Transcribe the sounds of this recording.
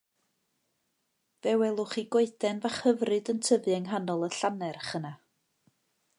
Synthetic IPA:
vɛwɛlˠʊχiɡwoɨθɛnvaχhəvrɨdəntʰəvɨɛŋɦanɔlˠəɬanɛrχəna

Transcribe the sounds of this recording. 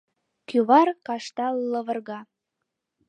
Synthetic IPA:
kyβɑrkɑʃt̪ɑləβə̆rɣɑ

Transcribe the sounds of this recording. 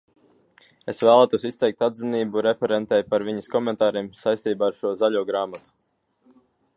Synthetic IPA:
esvæːlˠaːt̪uɔsist̪ɛjk̚t̪ad̪ziniːbuɾefɛɾɛnt̪ɛjpaɾviɲəskɔmɛnt̪aːɾiːmsajst̪iːbaːɾʃuɔzaʎʲuɔɡɾaːmat̪u̥

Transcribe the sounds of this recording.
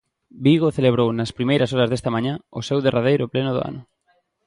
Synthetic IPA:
biɣoθeleβɾownɐspɾimejɾɐsɔɾɐzðest̪ɐmãɲãʊsewðerʔað̞ejɾʊplenʊðʊ̰a̰nʊ

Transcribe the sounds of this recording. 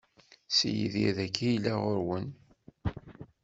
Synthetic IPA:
sijə̰ðiðækʰːijlːæʁoɾwən

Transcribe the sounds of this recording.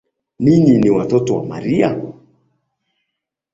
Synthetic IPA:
niɲiniwatɔtɔwa̰ma̰ɾia̰

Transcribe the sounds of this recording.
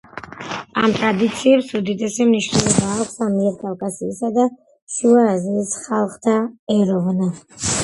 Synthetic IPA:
amt̪ʼɾad̪it̪sʰiɛpsud̪id̪ɛsɛmniʃnɛlˠɔbaːkʰʷsamiɛɾkʼafkʼasiːsad̪a | ʃuaːziːsχalˠχt̪ʰaɛɾɔvna

